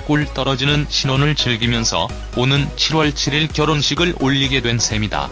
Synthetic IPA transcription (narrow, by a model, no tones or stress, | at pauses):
k͈uɭt͈ʌɾʌd͡ʑinɯnɕʰinonɯɭt͡ɕɯɭɡimjʌnsʰʌ̰ | onɯnt͡ɕʰiɾwʌɭt͡ɕʰiɾiɭkjʌɾonɕʰiɡɯɭoʎːiɡe̞dwe̞nsʰe̞mida̰